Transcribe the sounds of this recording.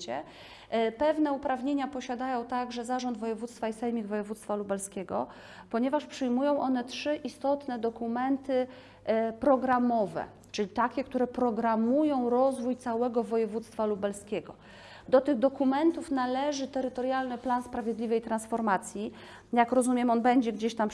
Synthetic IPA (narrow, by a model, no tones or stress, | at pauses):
t͡ɕɛ̰ | pɛvnɛupɾavɲeɲapɔɕad̪ajɔ̃w̃t̪aɡʐɛzaʐɔnd̪vɔjɛvut̪st̪faisɛjmʲiɡvɔjɛvut̪st̪falubɛlskʲɛɡɔ̰ | pɔɲɛvaʂpʂɘjmujɔ̃w̃ʔɔnɛtʂɘʔist̪ɔt̪nɛd̪ɔkumɛnt̪ɘ | pɾɔɡɾamɔvɛ̰ | t͡ʂɘlʲit̪akʲɛkt̪uɾɛpɾɔɡɾamujɔ̃w̃ɾɔzvujt̪sawɛɡɔvɔjɛvut̪st̪falubɛlskʲɛɡɔ | d̪ɔt̪ɘɣd̪ɔkumɛnt̪ufnalɛʐɘt̪ɛɾɘt̪ɔɾjalnɘplanspɾavʲjɛd̪lʲivɛjt̪ɾansfɔɾmat̪sʲji | jakɾɔzumʲjɛmɔnbɛɲd͡ʑɛɡd͡ʑeɕt̪am